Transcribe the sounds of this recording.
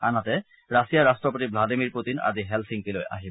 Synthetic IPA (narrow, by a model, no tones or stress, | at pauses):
anatɛ | ɹasijaɹastɹɔpotibladimiɹput̪ina̰ziɦɛlsʰiŋkiloja̰ɦi